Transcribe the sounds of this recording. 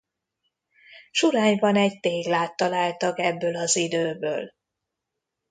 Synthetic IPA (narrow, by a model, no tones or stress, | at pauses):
ʃuɾaːɲbɒnɛɟt̪eːɡlaːt̪ːɒlaːlt̪ɒkɛbːøːlɒzid̪øːbø̰ːl